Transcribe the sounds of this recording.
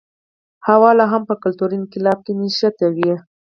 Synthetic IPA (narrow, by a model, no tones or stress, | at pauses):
hawɑlaɦampəkʊlt̪uɾinkɪlɑb̚keniʃat̪awi